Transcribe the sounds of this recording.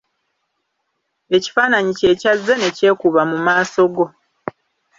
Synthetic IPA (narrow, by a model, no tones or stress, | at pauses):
e̞ci̥faːnaɲice̞ːcazːene̞ce̞ːkuβamumaːso̞ɡo̞